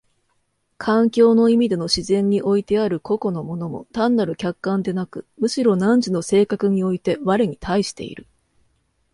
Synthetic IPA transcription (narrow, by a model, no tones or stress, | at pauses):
kʰãŋkʲo̞ːno̞imʲid̪e̞no̞ɕizẽ̞ɲ̟ːiʔo̞it̪e̞aɾɯ̟ko̞ko̞no̞mo̞no̞mo̞̰t̪ãnːaɾɯ̟kʲakːãnd̪e̞nakɯ̟mɯ̟ɕiɾo̞nãɲ̟d͡ʑino̞se̞ːkakɯ̟ɲ̟io̞it̪e̞βaɾeɲ̟it̪aiɕi̥t̪e̞̰ḭɾɯ̟